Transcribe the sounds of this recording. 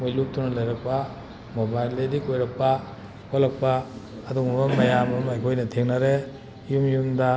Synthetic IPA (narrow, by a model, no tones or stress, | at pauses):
mojlup̚tunɐlɐjɾɐk̚pa | mobajledikojɾɐk̚pa | kʰolɐk̚paː | duŋbamɐjamɐmajkʰojnɐtʰeŋnɐɾe | jumjumdɐ